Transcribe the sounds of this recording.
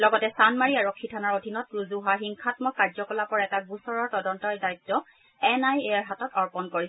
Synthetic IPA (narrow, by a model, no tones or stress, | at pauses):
lɔɡɔtɛsanmaɹiaɹɔkʰːitʰanaɹodʱinɔt̚pɹuzuɦaɦiŋkʰatmɔkaɹzɔkɔlapɔɹaɛtaɡusɔɹɔɹtɔdɔntɔjdajtːɔ | ɛnajeaɹɦatɔtɔɹpɔnkoɹi